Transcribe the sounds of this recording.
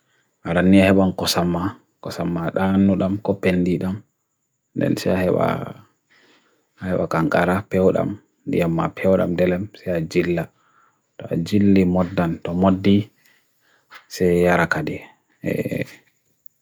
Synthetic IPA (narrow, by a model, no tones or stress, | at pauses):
ʔaɾanːiahɛɓamkɔsamːa | kɔsamːaɗanːuɗamkɔpendiɗam | ndɛ̰nsɛahɛɓa̰ | ahɛɓa̰kaŋkʼaɾapɛwɗa̰m | dḭjamːa̰pʰɛwɗa̰mdɛlɛmsɛjad͡ʒilːa | tɔa̰d͡ʒilːimɔdːantɔmodːi | sɛjaɾakadɛ | ɛ̰